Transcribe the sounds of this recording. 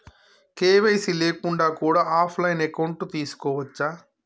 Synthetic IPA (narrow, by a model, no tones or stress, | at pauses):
keːʋejsileːkuɳɖaːkuːɽaːʔaːpʰlɐjnekɐwɳʈut̪iːsu̥kɔːʋɐt͡ʃːaː